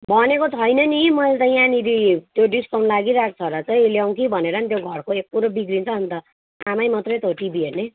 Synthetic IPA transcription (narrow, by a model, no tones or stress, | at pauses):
bʱʌnekot͡sʰʌjnʌnimʌlt̪ʌjanid̪it̪joɖiskawɳlaɡiɾak̚t͡sʰʌɾʌt͡sʌj̃ljaw̃kibʱʌneɾʌnit̪joɡʱʌrkoek̚puɾobiɡrint͡sʰʌːnt̪ʌ | amajmʌt̪rʌjt̪ʰoʈibierne